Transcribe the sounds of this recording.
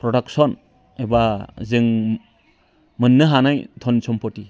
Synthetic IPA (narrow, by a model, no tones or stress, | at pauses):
pɾɔdaksɔn | ebazɯŋ | mɯnːɯɦanajtʰɔnsɔmpɔti